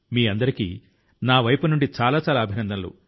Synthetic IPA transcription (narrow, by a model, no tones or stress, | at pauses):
miːɐnd̪ɐɾikḭ | naːʋɐjpunuɳɖit͡ʃaːlaːt͡ʃaːlaːɐbʱinɐnd̪ɐlṵ